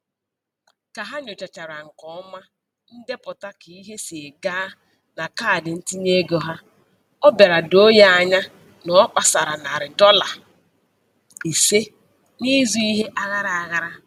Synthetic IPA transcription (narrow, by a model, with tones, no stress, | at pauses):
ka˨ɦa˦ɲo˨t͡ʃa˨t͡ʃa˨ɾa˨ŋ̩˨kɔ˨˦ma˦ | n̩˦de˦pʊ˨ta˦ki˨i˦ɦe˦si˨e˨ɡa˦ | na˨kaː˦˨dɪ˨n̩˦ti˦ɲe˦ɡo˨ɦa˦ | ɔ˦be˨ɾa˨do˦ja˦a˨ɲa˦ | nɔ˦k͡pa˨sa˨ɾa˨na˨ɾɪ˨dɔ˦la˨ | i˨se˦ | ni˦zu˦i˦ɦe˦ʔa˦ɣa˦ɾa˨a˨ɣa˦ɾa˦